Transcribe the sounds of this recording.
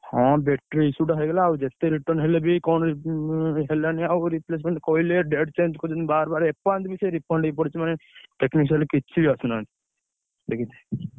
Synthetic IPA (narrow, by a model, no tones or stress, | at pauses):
hɔ̃bekʈɾisuʈaɦeɡelabud͡ʒet̪ːeɾiʈəɾnɦelebikɔnɾ | ɦelaniaɾipleːs̬mẽɳʈkoileɖeɖt͡ʃẽnd͡ʒkod̪inbaːɾbaɾepãnd͡ʒ̪biseɾipʰəɳɖip̬ɔɽit͡ʃʰimaneʈeknikselikit͡ʃʰibiasuna | bekit̪e